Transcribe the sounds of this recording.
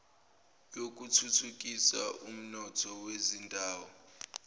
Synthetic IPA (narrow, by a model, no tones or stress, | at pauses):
jok̬utʰutʰuk̬ʼisa̰ʔum̩nɔtʰɔwezindʱaːwɔ